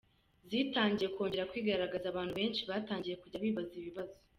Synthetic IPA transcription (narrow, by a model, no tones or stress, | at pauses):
ziːtaːɲɟije̞kwo̞ːɲɟe̞ɾakwiːɡaɾaɡazaβaːnhuβe̞ːnʃiβaːtaːɲɟije̞kuɟaβiːβaziβiβazo